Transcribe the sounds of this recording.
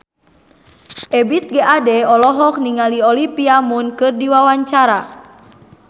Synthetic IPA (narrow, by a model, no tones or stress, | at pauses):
ʔɛbit̪̚ɡɛʔadɛɔlɔɦɔk̚niŋaliɔlipiamunkɨrdiwawaɲt͡ʃaɾa